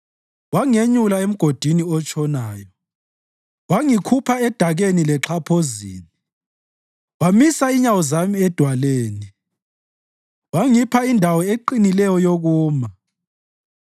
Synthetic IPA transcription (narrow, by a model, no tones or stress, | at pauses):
waŋeɲulaem̩ɡ̥ʱod̥ʱiniɔt͡ʃʼɔnaːjɔ | waŋikʰupʰaɛd̥ʱaɣenilɛǁʰapʰozḭːni | wamisaiɲawɔzamiɛd̥ʱwaleːni | waŋipʰaindʱawɔeǃinilɛjɔjoɣuːma